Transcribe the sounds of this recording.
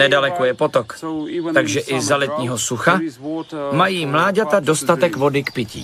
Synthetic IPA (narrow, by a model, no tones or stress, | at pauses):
nɛdalɛkojɛpo̞t̪okt̪aɡʒɛʔɪzalɛt̪ɲiːɦo̞suxa | majiːmlaːɟat̪ado̞st̪at̪ɛkvo̞dɪkpɪcḭː